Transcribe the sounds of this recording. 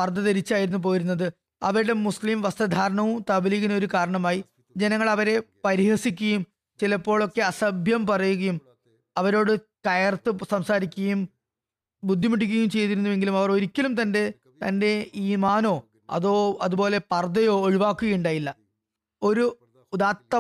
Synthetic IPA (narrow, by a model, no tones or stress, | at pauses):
pɐrd̪ɐt̪eɾit͡ɕːaːjiɾunːup̬o̞ːjiɾunːɐðɨ | ɐʋɐɾuɽe̞muslimʋɐst̪ɐd̪ʱaːɾɐɳɐʋumt̪ɐbiliɣino̞ɾukaːɾɐɳɐmaːji | d͡ʑe̞nɐŋːɐɭɐʋɐɾe̞pɐɾihɐsikʲːɐjum | t͡ɕilɐpːo̞ːɭo̞kːe̞ɐsɐbʱjɐmpɐrɐjuɣɐjum | ɐʋɐɾo̞ːɽɨkɐjɐrt̪ːɨsɐmsaːɾikʲːuɣɐjum | bud̪ʱjimɐʈːikʲːɣɐjumt͡ɕe̞jt̪̬iɾunːuʋe̞ŋɡilumɐʋɐro̞ɾikʲːɐlumt̪ɐnde̞ | t̪ɐnde̞iːmaːno̞ː | ɐ̰ðoːɐðubo̞ːle̞pɐrd̪ɐjo̞ːoɻiʋaːkːuɣɐjuɳɖaːjilːɐ | o̞ɾu | d̪aːtt̪ːɐ